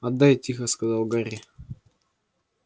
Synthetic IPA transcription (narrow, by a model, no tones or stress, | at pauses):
ɐd̪ajtʲixəskɐzalˠɡaɾʲi